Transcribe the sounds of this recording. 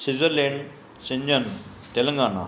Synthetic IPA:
sizɐɾleːɳɖ | siɲd͡ʑɐn | t̪elɐŋɡaːɳa̰

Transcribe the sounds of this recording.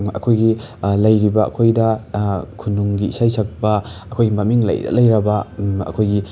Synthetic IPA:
ɐ̰kʰojɡi | lɐjɾibɐɐ̰kʰojdɐkʰunuŋɡiːsajsɐk̚bɐɐkʰojɡimɐmiŋlɐ̰jɐ̰lɐjɾɐbɐɐ̰kʰojɡi

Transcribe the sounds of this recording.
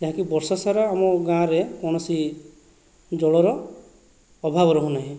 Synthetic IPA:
d͡ʒaɦakibɔɾsɔsaɾɔamɔɡãɾekɔɳ̃ɔsi | d͡ʒɔɭɔɾɔ | ɔbʱabɔɾɔɦũnaɦĩ

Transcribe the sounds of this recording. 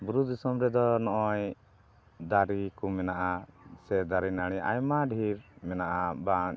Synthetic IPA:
buɾud̪isɔmɾɛd̪ɔnɔʔɔj | d̪aɾikumɛnaʔasɛd̪aɾinaɽ̃iʔa̰jmaɖʱiɾmɛnaʔaba

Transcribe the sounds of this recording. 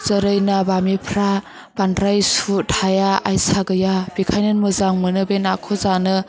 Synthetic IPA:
zəɾɯjnabamipʰɾa | b̥andɾajsutʰajaajsaɡɯjab̥ikʰajnɯnmɯzaŋmɯnɯbenakʰɔzanɯ

